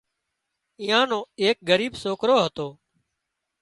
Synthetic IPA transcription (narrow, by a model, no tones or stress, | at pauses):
ĩːãːnõːeːk̚ɡəɾiːbsoːkɾoːɦət̪oː